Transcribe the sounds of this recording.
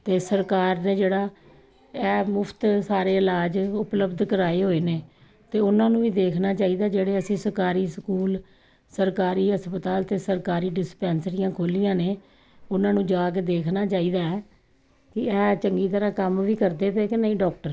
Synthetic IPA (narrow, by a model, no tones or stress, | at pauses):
t̪eːsəɾkaːɾneːd͡ʒeːɽaː | ɛːmʊpʰt̪saːɾeːɪlaːd͡ʒʊpləbd̪kəɾaːeːɦoːeːneː | t̪eːʊnãːnũːʋiːd̪eːkʰnaːt͡ʃaːiːd̪aːd͡ʒeːɽeːəsĩːsəɾkaːɾiːsəkuːl | səɾkaːɾiːɦəspət̪aːlt̪eːsəɾkaːɾiːɖɪspɛːnsɾɪjãːkʰoːlijãːneː | ʊnãːnũːd͡ʒaːɡed̪eːkʰnaːt͡ʃaːiːd̪aːɛː | kɪɛːt͡ʃəŋɡiːt̪əɾãːkəmʋiːkəɾd̪eːt̪eːkɪnəĩːɖɔːk̚ʈəɾ